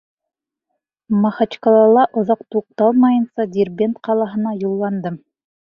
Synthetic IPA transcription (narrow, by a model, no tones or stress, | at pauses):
mɑχɑt͡ʃkɑlˠɑlˠɑʔŏðɑqt̪uq̚t̪ɑlˠmɑjɤ̆nsɑd̪ʲirbʲent̪qɑlˠɑɦɤ̆nɑjulˠːɑnd̪ɤm